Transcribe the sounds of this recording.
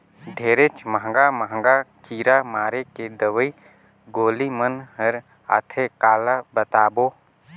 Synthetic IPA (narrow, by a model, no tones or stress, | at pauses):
ɖʱeːɾet͡ʃməɦŋɡaməɦŋɡakiːɾamaːɾeked̪əʋəi | ɡoːlimənɦəɾ | a̰ːt̪ʰekaːlabət̪aːboː